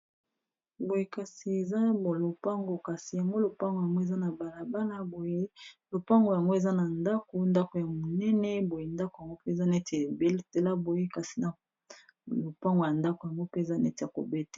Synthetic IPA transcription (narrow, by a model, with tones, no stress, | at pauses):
bo˨je˦ka˨si˨e˨za˦bo˨lo˨pa˦ŋɡo˨ka˨si˨ja˨ŋɡo˦lo˨pa˦ŋɡo˨ja˨ŋɡo˦e˨za˦na˨ba˨la˨ba˦la˦bo˨je˦lo˨pa˦ŋɡo˨ja˨ŋɡo˦e˨za˦na˨nda˦ko˨nda˦ko˨ja˨mo˨nɛ˦nɛ˦bo˨je˨nda˦ko˨ja˨ŋɡo˦pe˦e˨za˦nɛ˦te˨be˦lte˨la˦bo˨je˦ka˨si̥˨na˨ | lo˨pa˦ŋɡo˨ja˨nda˦ko˨ja˨ŋɡo˦pe˦e˨za˦nɛ˦te˨a˨ko̰˨be˦te̥˨